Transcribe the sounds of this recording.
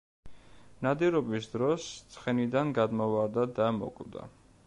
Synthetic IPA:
nad̪iɾɔbisd̪ɾɔst̪sʰχɛnid̪anɡad̪mɔvaɾd̪ad̪amɔ̰kʼvd̪a̰

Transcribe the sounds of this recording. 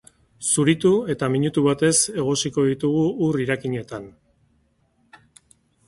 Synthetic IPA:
suɾit̪ue̞t̪amiɲut̪uβat̪e̞se̞ɣ̞o̞siko̞ðit̪uɣ̞uːriɾakiɲe̞t̪an

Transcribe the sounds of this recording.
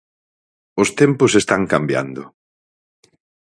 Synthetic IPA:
ʊst̪empʊsest̪aŋkambja̰nd̪ʊ

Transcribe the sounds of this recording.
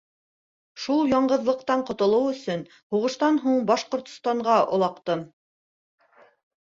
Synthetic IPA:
ʃulˠjɑɴɢɤ̆ðlˠɤ̆q̚t̪ɑɴqŏt̪ŏlˠɤwɵ̆sɵn | huʁɤ̆ʃt̪ɑnɦuɴbɑʃqŏɾt̪st̪ɑɴɢɑŏ̰lˠɑqt̪ɤm

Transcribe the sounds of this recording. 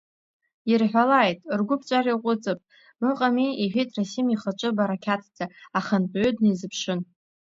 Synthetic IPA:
irħʷᶣalajtʼrɡʷʊpʰt͡ʃʷʼariqʷʼʊt͡sʼɨpʼ | mɨqʼamiiħʷᶣitʼrasimiχət͡ʃʷʼɨbaɾakʲʰatʰd͡zaaχənpʼʕødnezɨpʰʂɨn

